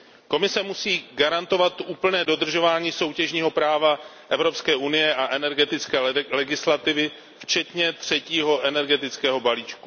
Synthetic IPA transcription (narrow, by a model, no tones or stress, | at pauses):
ko̞mɪsɛmusiːɡaɾant̪o̞vat̪ʔuːpl̩nɛːdo̞d̪r̩ʒo̞vaːɲiːso̞wcɛʒɲiːɦo̞pɾaːva | ʔɛvɾo̞pskɛːʔunɪjɛʔaʔɛnɛɾɡɛt̪ɪt͡skɛːlɛɡɪslat̪ɪvɪ | ft͡ʃɛt̪ɲɛt̪r̝̥ɛciːɦo̞ʔɛnɛɾɡɛt̪ɪt͡skɛːɦo̞baliːt͡ʃku